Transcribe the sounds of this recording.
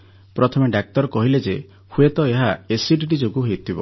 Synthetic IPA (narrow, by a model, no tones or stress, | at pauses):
pɾɔt̪ʰɔmeɖak̚t̪ɔɾɔkɔɦiled͡ʒe | huet̪ɔeɦaesiʈiʈid͡ʒoɡuɦeut̪ʰibɔ